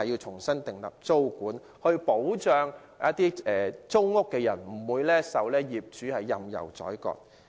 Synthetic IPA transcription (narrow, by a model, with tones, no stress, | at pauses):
ji˧wt͡ʃʰʊ˨˩ŋsɐ˥nt̪ɪ˨ŋlɐ̰˨p̚t͡so˥wkuː˨˥n | hɵ˧ɥpo˨˥wt͡ʃœː˧ŋ | ɐ˦˥t̚t̪iː˥ɛː˨t͡sʊ˥wŋʊ˥kːɛː˧jɐ̰˨˩nm̩˨˩wuː˨˧jlɛː˥sɐ˨˧wlɛː˥jiː˨p̚t͡ʃyː˨˥hɐ˨jːɐ̰˨mjɐ̰˨˩wt͡sɔ̰ː˨˥jkɔ̰ː˧t̚